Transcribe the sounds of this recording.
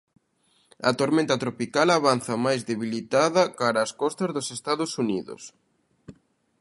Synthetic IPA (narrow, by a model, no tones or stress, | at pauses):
ɐ̰t̪oɾmẽnt̪ɐt̪ɾopikalaβan̟θɐmajzðeβilit̪aðɐkaɾɐːskɔst̪ɐzðosest̪aðʊsuniðʊ̰s